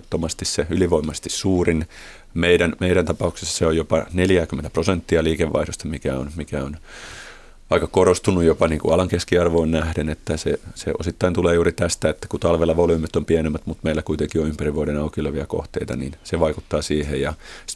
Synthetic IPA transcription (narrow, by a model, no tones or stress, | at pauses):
t̪ːomɑst̪isseyliʋoimɑst̪issuːrin | meiɾænmeiɾænt̪ɑpɑukse̥sːɑ̥seojopɑneljæːkymːent̪æ̥prosent̪ːiɑliːkeʋʋːɑ̰ihdost̪ɑmikæo̰nmikæon | ɑikɑkoɾost̪unːujjopɑniːŋkuɑlɑŋkeskiɑrʋoːnnæhdenet̪ːæsesḛʔo̰sit̪ːɑint̪uleːjuːɾit̪æst̪æet̪ːæ̥kut̪ɑlʋelːɑʋolyːmyt̪ːompienemːæt̪mut̪meilːækuit̪eŋkionympæriʋʋuoɾenɑukiløʋiæko̰ht̪ḛit̪ɑ̰nḭːnseʋɑiku̥t̪ːɑːsiːhejɑ